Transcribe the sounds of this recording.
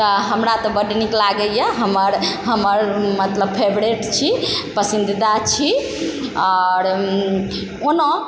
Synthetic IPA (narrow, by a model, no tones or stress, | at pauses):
t̪ɔɦəmɾat̪ɔbəɖniklaɡəjəɦəməɾɦəməɾmət̪ləb̚pʰebɾeʈt͡ʃʰipəsind̪id̪at͡ʃʰi | ɔɾ | ono